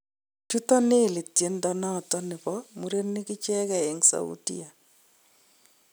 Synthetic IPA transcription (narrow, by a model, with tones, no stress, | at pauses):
t͡ʃu˦ta˦neː˦˨lɪ˨tje˨˦nda˦na˦˨ta˦nɪ˨bɔmu˦ɾe˦nːɪ˦kɪ˦t͡ʃɛ˦kɛ˨e˨ŋsa̰˨ṵ˦dḭ˦a˨